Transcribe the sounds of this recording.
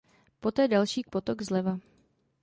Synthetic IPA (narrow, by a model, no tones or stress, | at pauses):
po̞t̪ɛːdalʃiːkpot̪oɡzlɛva